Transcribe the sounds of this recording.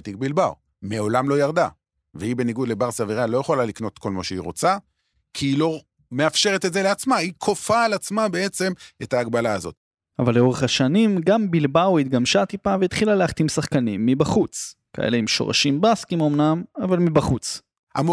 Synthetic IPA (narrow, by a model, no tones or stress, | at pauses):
t̪ik̚bilbaw | meo̞lamlo̞jaʁd̪a | veibeniɡud̪le̞baʁsaviʁalo̞jeχo̞lalikno̞t̪ko̞lmoʃeḭʁo̞̰t͡sa | kʰiilo̞ | me̞afʃeʁet̪etzeleat͡smaikʰo̞faːlat͡smabee̞t͡se̞metaːɡbalaːzo̞t̪̚ | avalːeo̞ʁeχaʃanimɡambilbawit̪̚ɡamʃat̪ipaveit̪χilaleaχt̪imsaχkanimːibaχut͡s | ka̰ʔḛle̞imʃo̞̰ʁa̰ʃimbaskimo̞mnamavalmibaχut͡s | ʔa̰m